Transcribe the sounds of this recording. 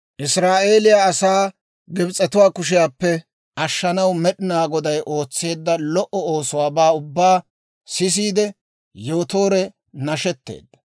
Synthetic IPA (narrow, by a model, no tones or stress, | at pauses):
ʔɪsɾaːʔe̞ːlɪjaːsaː | ɡɪbt͡sʼɛt̪ʊwaːkʊʃ̬ɪjaːpːɛ | ʔɐʃːɐnɐwmɛɗɪnaːɡɔd̪ɐjʔo̞ːt͡sːe̞ːd̪ːɐlɔʔɔoːsʊwaːbaːʊbːaː | sɪs̬iːd̪ɛ | jo̞ːt̪o̞ːɾɛ | nɐʃɛt̪ːḛːd̪ːɐ̥